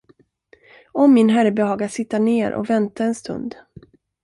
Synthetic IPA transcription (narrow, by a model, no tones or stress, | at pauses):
ɔmːɪnɦæɾəbɛhɑːɡasɪt̪ːaɳeːɾʔɔ̰vɛnt̪aɛnst̪ɵ̰nd̪